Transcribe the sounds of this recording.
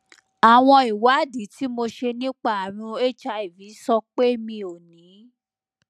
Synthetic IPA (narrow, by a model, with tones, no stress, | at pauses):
a˨w̃ɔ̃˧i˨wa˨˦di˨˦ti˦mo˧ʃe˧nĩ˦k͡pa˦˨a˨ɾ̃ũ˧e˦t͡ʃa˧i˨vi˨˦sɔ˧k͡pe˦mĩ˧o˨nĩ˨˦